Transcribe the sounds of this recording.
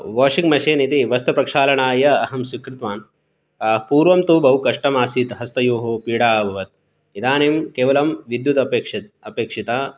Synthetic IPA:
ʋoːʂikmɐʃeːnit̪iʋɐst̪ɐpɾɐkʂaːlɐɳaːjɐːɦɐmsikɾit̪ʋaːnː | puːɾʋɐmt̪ubɐɦukɐʂʈɐmaːsit̪ɦɐst̪ɐjoːɦopiːɽaːbʱɐʋɐt̪̚ | id̪aːneːmkeːʋɐlɐmʋid̪jut̪ɐpeːkʂɐt̪ɐpeːkʂit̪aː

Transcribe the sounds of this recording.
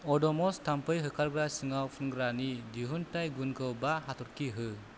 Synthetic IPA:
ɔdɔmɔstampɯjɦɯkʰaɾɡɾasɯŋawpʰunɡɾanidiɦuntajɡunkʰɯwbaɦatʰɔɾkʰiɦɯ

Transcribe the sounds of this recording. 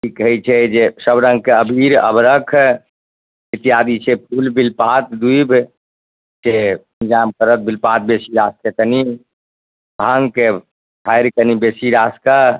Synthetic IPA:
ʈikəɦit͡ʃʰɛd͡ʒesəbɾə̃ŋɡ̚keəbʱiɾə̰bɾəkʰ | it̪iɦad̪it͡ʃʰepʰulbilpat̪̚d̪uibʱ | seənd͡ʒamkəɾət̪̚bʱilpat̪̚besiɾaskekəni | bʱãŋɡke | ʈʰajɾkənibesiɾaska

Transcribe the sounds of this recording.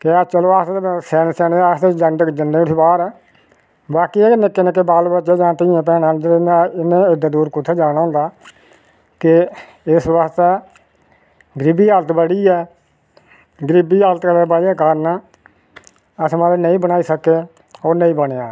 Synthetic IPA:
kɪat͡ʃəloːaːssɛːnːsɛːneaːst̪ed͡ʒənɖd͡ʒənːeːʊʈʰiːbaːɾɛː | baːkieːnɪkːeːnẽk̬ebaːlbətːʃeːd͡ʒãːt̪ɪiãːpɛ̃ːnãːd̪əɪnaːɪnẽːɪɖaːd̪uːɾkʊt̪ʰːeːd͡ʒaːɽ̃aːɦʊ̃ːnd̪aː | kɪ | ɪsʋast̪ɛː | ɡɾɪbiːɦaːlət̪bəɽiːɛː | ɡɾɪbiːɦaːlət̪kəɾeːbəːɽaːkaːɾnaː | əsmaːlenəĩːbənaːiːsəkeː | oːɾnəĩːbəɽejaː

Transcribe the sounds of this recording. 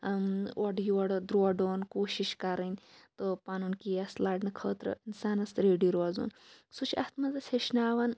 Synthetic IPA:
oɖjoɖd̪ɾoːɖoːnkoːʃiʃkɐɾɐnʲt̪opaːnunkiɐslaːɖnɨkʰəːt̪ɾɨ̰insaːnɐst̪ɾeːɖiɾoːzo̰ːn | sut͡ʃʰɐ̰st̪mɐzɐsʲeʃnaːʋɐn

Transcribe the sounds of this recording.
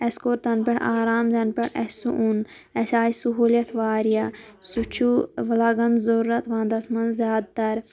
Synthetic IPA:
ɐskoːɾt̪ɐnpeɽaːɾaːmzɐnpʲɐɽɐ̰sṵʔun | ɐsʲaːjisuɦuːljɐt̪ʰʋaːɾijɐsut͡ʃʰuʋɐlaɡɐnzɐɾuːɐt̪ʋãːnd̪ɐsmɐnzʲjaːd̪̚t̪ɐɾ

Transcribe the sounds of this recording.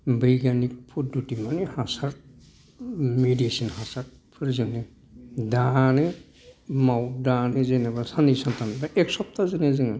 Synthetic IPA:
bəjɡanik̚pʰodutimanehasaɾ | mediesinhasaɾ̚ | pʰɯɾzɯne | dane | mawdanezenebasanisɔnt̪anbaʔɛksɔp̚t̪azenezeŋan

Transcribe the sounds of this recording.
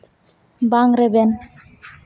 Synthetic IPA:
baŋɾɛbɛn

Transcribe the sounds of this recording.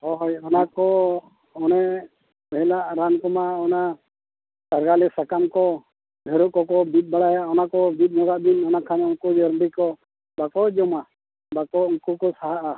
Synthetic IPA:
ɔɦɔjɔnakɔ | ɔnɛʔ | bɛɦɛlaʔɾankɔmaɔna | taɾɡalɛsakamkɔ | bʱɛɾukɔkɔbit̪̚ˀbaɽajaɔnakɔbit̪̚nɔɡaʔd̪inɔnakʰanɛɔŋkud͡ʒɔɾmbikɔ | bakɔd͡ʒɔma | bakɔuŋkukɔsaɦaʔa

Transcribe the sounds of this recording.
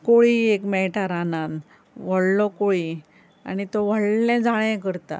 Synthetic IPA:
koɭiekmɛʈaɾanãn | ʋəɽlɔkoɭi | a̰nit̪ɔʋəɭnɛ̃d͡zʱaɭɛ̃kəɾt̪a̰

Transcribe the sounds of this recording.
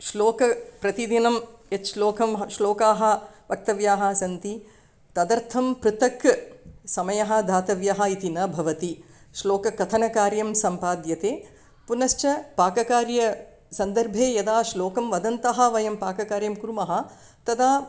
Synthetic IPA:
ʃloːkɐpɾɐt̪id̪inɐmjɐt͡ʃʃloːkɐmʃloːkaːɦɐ̆ʋɐk̚t̪ɐʋjaːɦɐ̆sɐnt̪i | t̪ɐd̪ɐɾt̪ʰɐmpɾɨt̪ɐksɐmɐjɐɦɐ̆d̪ʱaːt̪ɐʋjaɦɐ̆it̪inɐbʱɐʋɐt̪i | ʃloːkɐkɐt̪ʰɐnɐkaːɾjɐmsɐmpaːd̪jɐt̪eː | punɐʃt͡ʃɐpaːkɐkaːɾjɐ | sɐnd̪ɐɾbʱeːjɐd̪aːʃloːkɐmʋɐd̪ɐnt̪ɐɦɐ̆ʋɐjɐmpaːkɐkaːɾjɐmkɾumɐɦɐ̆ | t̪ɐd̪aː

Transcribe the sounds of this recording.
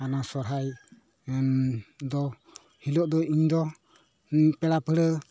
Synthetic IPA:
anasɔɾɦaj | d̪ɔ | hilɔʔd̪ɔiɲd̪ɔ | pɛɽapəɽə

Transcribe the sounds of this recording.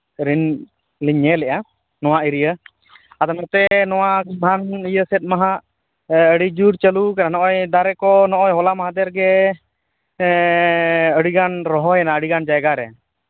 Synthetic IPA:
ɾin | liɲɛlɛʔa | nɔwaʔiɾijə | ad̪ɔnɔt̪ɛnɔwabʱanijəsɛt̪̚ˀmaɦaʔ | əɽid͡ʒuɾt͡ʃəlukananɔʔɔjd̪aɾɛkɔnɔʔɔjɦɔlamaɦad̪ɛɾɡɛ | əɽiɡanɾɔɦɔjanaəɽiɡand͡ʒajɡaɾɛ̰

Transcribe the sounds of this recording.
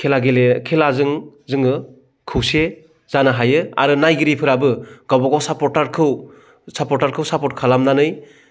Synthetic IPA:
kʰelaɡelekʰelazɯŋzɯŋɯ | kʰɯwse | z̥anaɦajɯa̰ɾɯnajɡɯɾipʰɯɾabɯɡawbɔɡawsapɔtaɾkʰɯw | sapɔɾtaɾkʰɯwsapɔt̚kʰalamnanɯj

